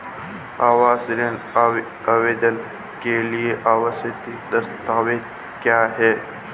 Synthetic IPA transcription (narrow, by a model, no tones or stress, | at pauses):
aːwaːsɾen | ɐʋeːd̪ən | kelieʔaːwəset̪id̪ɐst̪aːwet̪ | kjaːɦɛː